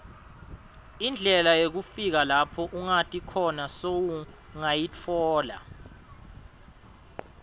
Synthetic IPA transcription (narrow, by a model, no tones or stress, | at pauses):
ind͡ɮʱɛlajeɣ̬ufiɣ̬alapʰɔʔuŋatʰʼikʰɔnasowu | ŋajit͡fʰɔːla̰